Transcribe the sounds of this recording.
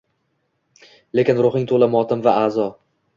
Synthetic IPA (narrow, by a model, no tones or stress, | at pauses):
le̞kʲɪnɾʊχɪŋt̪ʰolamɒt̪ʰɪmvaaːzɒ